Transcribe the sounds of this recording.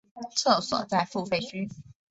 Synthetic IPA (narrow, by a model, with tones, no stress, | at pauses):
t͡sʰɤ˥˩swɔ̰˨˩˦t͡sa˥˧ɪfu˥˧fe˥˩ɪɕy˥